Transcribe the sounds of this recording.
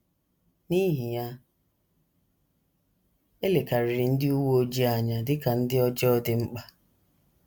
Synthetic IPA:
ni˦ɦi˨ja˦ | e˦le˨ka˨ɾɪ˨ɾɪ˨n̩˦dɪ˦u˦wo˦o˦d͡ʒi˦a˨ɲa˨dɪ˦ka˨n̩˦dɪ˦ɔ˦d͡ʒɔ˦dɪ˦ŋ͡m̩˦k͡pa˨

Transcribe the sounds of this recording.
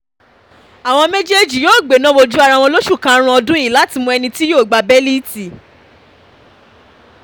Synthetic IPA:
a˨w̃ɔ̃˧mẽ˦d͡ʒe˦d͡ʒi˨joː˦˨ɡ͡be˨nã˦wo˧d͡ʒu˦a˦˧ɾa˧˨wɔ̃˧lo˦ʃu˦˨kã˧˦ɾ̃ã˧ɔ˧dũ˦i˦˨la˨˦ti˧mũ˧ɛ˧nĩ˧ti˦joː˦˨ɡ͡ba˧bɛ˦li˦ti˨

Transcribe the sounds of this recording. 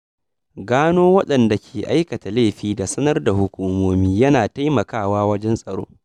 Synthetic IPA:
ɡaː˦noː˦wɐ˦ɗɐ˨nda˨kʲʰeː˨ʔa˦jkɐ˨ta˨leː˦˨ɸiː˦da˨sɐ˦nɐ˦rda˨hʊ˦kʷuː˦moː˦miː˦jɐ˦naː˨ta˦jmɐ˨kaː˦˨waː˦wɐ˦d͡ʒɛ˦nsʼɐ˨ɽo̰ː˦

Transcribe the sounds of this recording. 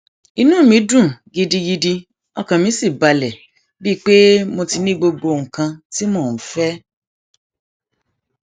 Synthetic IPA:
i˧nũː˦˨mĩ˨˦dũ˦˨ɡi˧di˧ɡi˧di˧ | ɔ˧kã˨mĩ˨˦si˦˨ba˨lɛ˨ | bi˦˨k͡pe˦mo˧ti˧nĩ˦ɡ͡bo˧ɡ͡bo˧˨ŋ̩˨kã˧ti˦mo˦˨n̩˨˦fɛ˦

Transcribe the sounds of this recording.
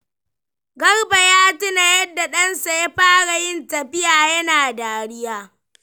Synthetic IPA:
ɡɐ˦rba˨jaː˦tɪ˦na˨jɐ˦dːa˨ɗɐ˦nsa˨ja˦ɸaː˦ɽa˨jɪ˦ntɐ˨ɸɪ˦jaː˨jɐ˦naː˨daː˨ɽɪ˦jaː˦

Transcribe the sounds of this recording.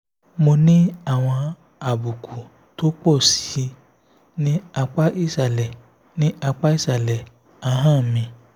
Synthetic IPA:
mo˧nĩ˦a˦˨w̃ɔ̃˧ | a˨bu˨kʰu˨ | to˦k͡pɔ˦˨si̥˨˦ | nĩ˦a˧k͡pa˦ʔi˦˨sa˨lɛ˨ | nĩ˦ʔa˧k͡pa˦i˦˨sa˨lɛ˨ | a˦ɦã˦˨mĩ˧

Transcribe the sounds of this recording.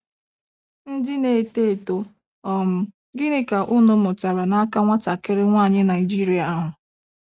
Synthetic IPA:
n̩˦dɪ˦ne˨te˦e˨to˨ | ɔ˨m̩˦ | ɡɪ˦nɪ˦ka˨ʔʊ˦nʊ˦mʊ˨ta˨ɾa˨na˦ka˦ŋʷa˦ta˨kɪ˦ɾɪ˦ŋʷaː˦˨ɲɪ˦na˨ɪ˨d͡ʒi˦ɾi˨a˨a˦ɦʊ˨

